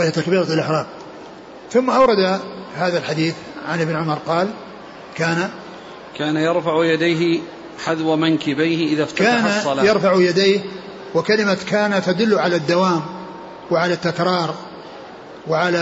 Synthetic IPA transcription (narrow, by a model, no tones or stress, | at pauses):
at̪akbiːɾˤaɪlʔɪħɾˤɑːm | θʊmːaʔawɾˤɑd̪ahaːðalħad̪iːθ | ʕanʔɪbnʕʊmɑɾˤqɑːl | kaːna | kaːnajɑɾˤfaʕjad̪ajɦɪ | ħaðwamaŋkɪbajhɪʔɪðaft̪kaaaːnasˤːɑlaːjɑɾˤfaʕujad̪ejh | wɪkalɪmakaːnat̪ːad̪ʊlːʊʕalad̪ːawaːm | wɪʕalat̪ːakɾˤɑːɾˤ | wɪʕala